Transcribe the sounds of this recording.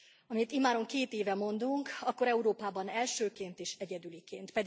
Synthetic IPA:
ɒmit̪imaːɾo̞ŋkeːt̪eːvɛmo̞nd̪uŋkɒkːo̞ɾɛuɾoːpaːbɒnɛlʃøːkeːnt̪eːʃɛɟɛd̪ylikeːnt̪pɛd̪

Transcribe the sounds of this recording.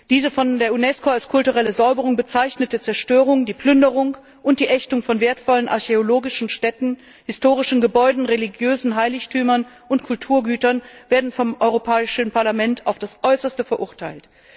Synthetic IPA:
d̥iːzəfɔndeːɐunɛskoalskʰʊltuʁɛləzaʏbəʁʊŋbət͡saɪçnətət͡sɛɐʃtøːʁ̞ʊŋdiːpl̥ʏndəʁʊŋ | ʔʊntd̥iːʔɛçtʊŋfɔnveːɐtfɔlənʔa̰ɐçeoloːɡɪʃn̩ʃtɛtn̩ | hɪstoːʁ̞ɪʃn̩ɡəbɔʏdn̩ʁeliɡjøːzn̩ɦaɪlɪçtʰyːmɐn | ʔʊntkʰʊltʰuːɐɡyːtɐnv̥eːɐdn̩fɔmʔɔʏʁopʰɛːɪʃn̩paɐlamɛntʰaʊfd̥asʔɔʏsɐstəfɛɐʔʊɐtʰaɪlt

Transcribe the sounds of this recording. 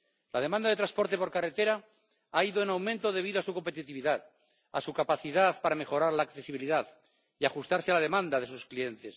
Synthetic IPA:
lað̞e̞mãnd̪aðe̞t̪ɾaspo̞ɾt̪e̞po̞ɾkare̞t̪e̞ɾa | aiðoenawmẽnt̪o̞ð̞e̞β̞iðo̞asuko̞mpe̞t̪it̪iβiðað | asukapaθiðaðpaɾame̞xo̞ɾaɾlaːkθe̞siβ̞iliðað | iaxust̪aɾsealað̞e̞mãnd̪aðe̞susklie̞nt̪e̞s

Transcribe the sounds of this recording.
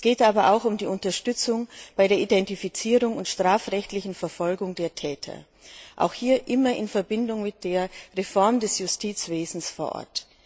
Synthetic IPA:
sɡ̥eːtʔaːbɐʔaʊxʊmdiːʊntɐʃtʏt͡sʊŋb̥aɪɾeːɐʔidɛntifit͡siːʁʊŋʊntʃtʁ̥aːfʁɛçtlɪçn̩fɛɐfɔlɡʊŋdeːɐtʰɛːtʰɐ̰ | ʔa̰ʊxhiːɐʔɪmɐʔɪnfɛɐbɪndʊŋmɪt̚d̥eːɐʁefɔɐmdɛsjʊstʰiːt͡sv̥eːzn̩sfoːɐʔɔ̰ɐt

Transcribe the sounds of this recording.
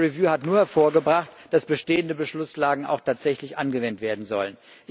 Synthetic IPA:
ʁivjuːhatnuːɐhɛɐfoːɐɡəbʁaχtd̥asb̥əʃteːəndəbəʃlʊslaːɡŋ̩a̰ʊxtʰaːtz̥ɛçlɪçʔanɡəvɛntv̥eːɐdn̩zɔ̰lən | ʔ

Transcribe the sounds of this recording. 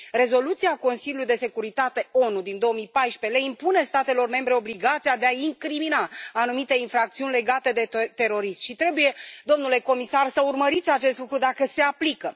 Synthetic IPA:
re̞zo̞lut̪siako̞nsilʲulujd̪e̞se̞kuɾit̪at̪e̞o̞nud̪ind̪o̞omijpajʃpe̞leimpune̞st̪at̪e̞lo̞rme̞mbɾe̞o̞bliɡat̪sijad̪e̞aiŋkɾiminaːnumit̪e̞infɾak̚t̪siunʲle̞ɡat̪e̞d̪e̞t̪e̞ɾo̞ɾisʃit̪ɾe̞buje̞d̪o̞mnule̞ko̞misarsəurməɾit̪sʲat͡ʃe̞st̪lukɾud̪akəse̞aplikə

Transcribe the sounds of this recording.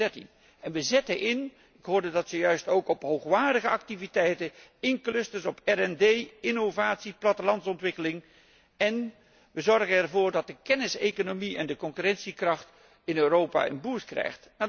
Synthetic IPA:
ɛɹtḭn | ɛnʋəzɛtəʔɪn | ɪkɦoːɹdədɑtsəjœɥstowkɔpɦowχʋaːɹdəɣəɑk̚tivitɛjtəɪŋklɵstəɹsɔpɛrɛndejɪnovaːtsiplɑtəlɑntsɔntʋɪkəlɪŋ | ɛn | ʋəzɔɹɣənɛrvʊːɹdɑt̚dəkɛnɪsejkonomiɛndəkɔŋkyrɛnsikrɑχt | ɪnøːɾowpa̰ːə̰nbuːɹskrɛ̰jχtna

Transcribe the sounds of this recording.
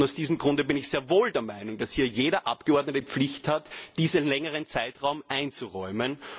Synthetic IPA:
aʊsd̥iːzəmɡʁʊ̃ndəbɪnɪçz̥eːɐvoːldeːɐmaɪnʊŋd̥ashiːɐjeːɾɐʔapɡ̥əɔɐdnətəp͡flɪçthatd̥iːzəlɛŋəʁ̞ənt͡saɪtʁaʊmʔaɪnt͡suʁɔʏmən

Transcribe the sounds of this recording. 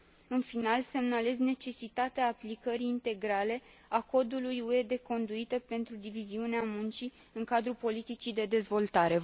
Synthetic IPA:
ɨnfinalse̞mnale̞zne̞t͡ʃe̞sit̪at̪eaːplikəɾiːnt̪e̞ɡɾale̞ | ako̞d̪ulujue̞d̪e̞ko̞nd̪uit̪əpe̞nt̪ɾud̪iviziuneamunt͡ʃi | ɨŋkad̪ɾupo̞lit̪it͡ʃid̪e̞d̪e̞zvo̞lt̪aɾe̞

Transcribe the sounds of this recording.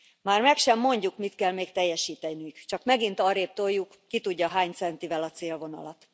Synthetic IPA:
maːrmɛkʃɛmːo̞ɲɟukmit̪kɛlmeːkt̪ɛjːɛʃiːt̪ɛnykt͡ʃɒkmɛɡint̪ɒɾeːp̚t̪ojːukːit̪uɟːɒɦaːɲt̪sɛnt̪ivɛlɒt̪seːlvo̞nɒ̰lɒt̪

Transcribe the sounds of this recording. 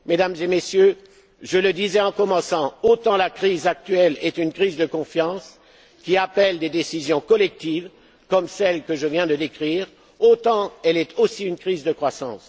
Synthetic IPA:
med̪amzemesjø | ʒələd̪izɛɑ̃kɔmɑ̃sɑ̃ot̪ɑ̃lakχizak̚t̪ɥɛlɛt̪ynkχizd̪əkɔ̃fjɑ̃s | kʲiapɛld̪ed̪esizjɔ̃kɔlɛk̚t̪iv | kɔmsɛlkəʒəvjɛ̃d̪əd̪ekχiːʁ | ot̪ɑ̃ɛlɛt̪ʰosiynkχizd̪əkχwasɑ̰̃s

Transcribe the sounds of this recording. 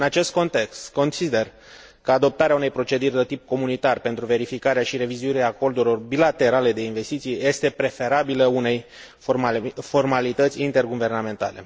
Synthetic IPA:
ɨnat͡ʃe̞st̪̚kont̪e̞kst̪ko̞nsid̪e̞r | kəad̪o̞p̚t̪aɾeaune̞jpɾo̞t͡ʃe̞d̪urʲd̪ət̪ip̚ko̞munit̪arpe̞nt̪ɾuve̞ɾifikaɾeaʃiɾe̞vizuiɾeaːko̞rd̪uɾilo̞rbilat̪e̞ɾale̞d̪e̞inve̞st̪it̪sijeje̞st̪e̞pɾe̞fe̞ɾabiləune̞j | fo̞rmalit̪ət̪sʲint̪e̞rɡuve̞rname̞nt̪a̰le̞

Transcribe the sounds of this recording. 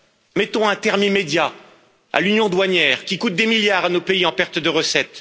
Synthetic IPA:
mɛt̪ɔ̃ɛ̃t̪ɛʁmimed̪ja | a̰lynjɔ̃d̪waɲjɛːʁkʲikut̪̚d̪emiljaʁanopeiɑ̃pɛʁt̪d̪əʁəsɛt̪

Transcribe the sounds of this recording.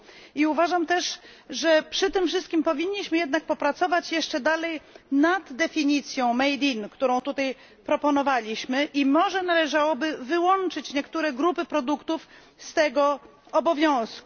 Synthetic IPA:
iuvaʐamt̪ɛʂ | ʐɛpʂɘt̪ɘmfʂɘst̪kʲimpɔvʲiɲːiɕmɘjɛd̪nak̚pɔpɾat̪sɔvat͡ɕjɛʂt͡ʂɛd̪alɛjnad̪ːɛfʲiɲit̪sʲjɔ̃w̃mɛjd̪ʲinkt̪uɾɔ̃w̃t̪ut̪aj | pɾɔpɔnɔvalʲiɕmɘʔimɔʐɛnalɛʐawɔbɘvɘwɔnt͡ʂɘt͡ɕɲɛkt̪uɾɛɡɾupɘpɾɔd̪ukt̪uf | st̪ɛɡɔ | ɔbɔvʲjɔ̃w̃sku

